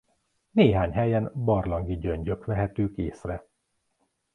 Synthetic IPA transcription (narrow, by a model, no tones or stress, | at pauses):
neːɦaːɲɦɛjɛnbɒrlɒŋɡiɟøɲɟøkʋɛɦɛt̪øːkeːsrɛ